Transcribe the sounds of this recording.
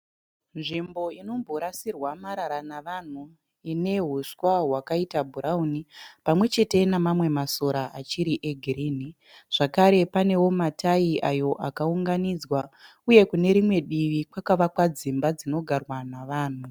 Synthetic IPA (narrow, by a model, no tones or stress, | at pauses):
nʐimbo̞ino̞mbʱo̞ɾasirwamaɾaɾanaʋan̤u | ine̞ɦuswaɦwakaitabʱuɾaunipamwe̞t͡ʃe̞te̞namamwe̞maso̞ɾaʔat͡ʃiɾiʔeɡʱiɾiːni | ʐ̥akaɾe̞pane̞wo̞matʰaiʔajo̞ʔakauŋɡanid͡zwa | uje̞kune̞ɾimwe̞ɗiʋikwakaʋakwad͡zimbad͡zino̞ɡʱarwanaʋaːn̤u